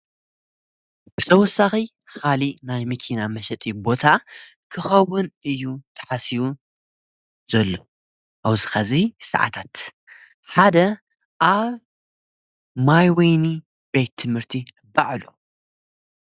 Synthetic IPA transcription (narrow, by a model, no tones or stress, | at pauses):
b̥ɨt̪ʰɐwɔsːaxi | xalinajmɨkʰinamɐʃɛt̪ʼibo̞t̪ʰa | kʰɨxɐwʊnɨjːut̪ʰɐ̥ħasiβu | z̥ɐlːo̞ | ʔawzɨxɐzisɐ̰ʕa̰t̪ʰat̪ | ħad̪ɐ | ʔaβ | majwejni | b̥e̞t̪ʰːɨmhɨɾt̪ʰi | baʕlo̰